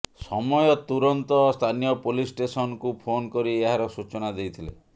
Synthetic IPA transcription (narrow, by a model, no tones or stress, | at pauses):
sɔmɔjɔt̪uɾɔnt̪ɔst̪ʰanijɔpolisʈesɔnkupʰonkɔɾieɦaɾɔsut͡ʃɔnad̪ejt̪ʰilḛ